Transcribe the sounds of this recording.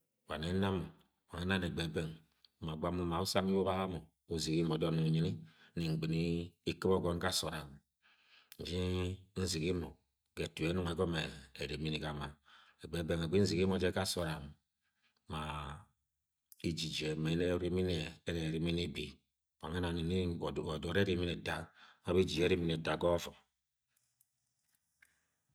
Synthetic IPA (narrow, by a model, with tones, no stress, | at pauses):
wa˨ne˦na˦m˨ | wa˨ŋe˦na˦˨ne˨ɡ͡be˨be˦ŋ | ma˨ɡ͡ba˦mu˦ma˨u˦sa˦m˦i˦wo˦ba˦a˦mo˨ | u˨˦zi˨ki˦mo˨˦dɔ˦nu˨ɲi˦ni˦ni˨ŋ̩˨ɡ͡bi˨ni˦i˦ki˦bɔ˦ɡɔ˦n˦ka˦˨so˨ɾa˨m˨ | n̩˨d͡ʒi˦n̩˦zi˨ki˦mo˨ | ɡe˨tu˨e˨˦nu˦ŋe˨ɡɔ˦meː˨ɾe˨mi˦ni˨ka˨ma˦e˨ɡ͡be˦be˦ŋe˨ɡ͡bi˦n̩˦zi˨ɡi˦mo˨d͡ʒe˦ka˦so˨ɾa˨m | ma˨ | i˦d͡ʒi˨d͡ʒe˨me˨˦ne˦ɾi˦mi˦ne˨˦ne˨ɾi˨mi˦ni˦bi˨ | wa˨ŋe˦na˨ni˨ni˦˨do˨ɾe˦ɾi˦mi˦ne˨da˨˦ma˦bi˦d͡ʒi˨d͡ʒe˦ɾi˦mi˦ne˨da˨ɡɔ˦vɔ˨